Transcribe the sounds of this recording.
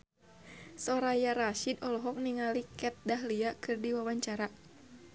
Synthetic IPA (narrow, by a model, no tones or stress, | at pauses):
sɔɾajaɾaʃidɔlɔɦɔk̚niŋalikɛt̪̚daɦliakɨrdiwawaɲt͡ʃaɾa